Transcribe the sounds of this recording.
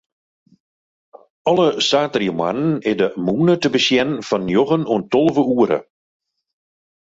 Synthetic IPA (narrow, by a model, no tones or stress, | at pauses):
ɔləsaːtriəma̰nənɪdəmuːnətəbəsjɛnnfɔnjɔɣənuəntɔlˠəvəuːəɾə̰